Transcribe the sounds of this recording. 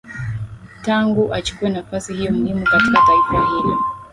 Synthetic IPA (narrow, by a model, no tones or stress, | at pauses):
taŋɡuʔat͡ʃu̥kuwɛnafasihijɔm̩himukati̥kataifahilḭ